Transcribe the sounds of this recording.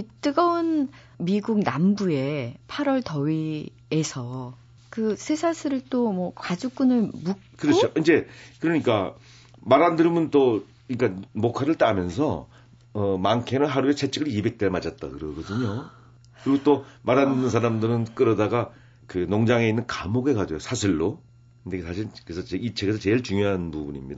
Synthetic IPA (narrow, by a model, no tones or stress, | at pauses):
it͈ɯɡʌun | miɡuɡ̚nambue̞pʰaɾwʌɭtʌɥi | esʰʌ | kɯsʰesʰasʰɯɾɯɭt͈omwʌkad͡ʑuk͈unɯɭmu | kɯɾʌt͡ɕʰoʔind͡ʑe̞kɯɾʌɲik͈a | maɾandɯɾɯmɯnt͈o | iik͈amokʰaɾɯɭt͈amjʌns̬ʰʌ | ʌmaŋkʰenɯnɦaɾuet͡ɕʰet͡ɕʰɯɡɯɾibe̞k̚t͈eɭmad͡ʑat̚t͈akɯɾʌɡʌdɯɲo | kɯɾiɡot͈omaɾandɯnːɯnsʰaɾamdɯɾɯnk͈ɯɾʌdaɡa | kɯnoŋd͡ʑaŋe̞inːɯnkamoɡe̞kad͡ʑojosʰaɕʰiɭːo | ɯndeksaɕ̬ʰiɾkɯɾesʰʌt͡ɕeit͡ɕʰeɡesʰʌt͡ɕe̞ɭt͡ɕuŋjoɦanpubuɲimɲida